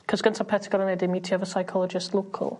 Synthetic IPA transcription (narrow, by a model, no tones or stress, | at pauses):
kʰɔzɡəntʰapʰɛtʰəɡɔɾənɛdɪmitʰiəvəsajkʰɔlˠɔd͡ʒɪstlˠoːkʰə̰lˠ